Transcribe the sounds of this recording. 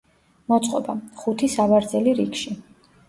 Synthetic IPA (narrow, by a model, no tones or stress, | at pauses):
mɔt̪sʼqʼɔ̰baχut̪ʰisavaɾd̪zɛliɾikʃi